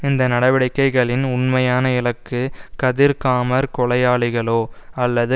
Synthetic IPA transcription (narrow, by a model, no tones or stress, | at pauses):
ɪnd̪ɐnɐɽɐʋɪɽɐɪkːɐɪɣɐɭɪnʊɳmɐjaːnɐɪlɐkːɯkɐðɪɾkaːmɐɾkɔɭɐjaːɭɪɣɐɭoːɐlːɐðɯ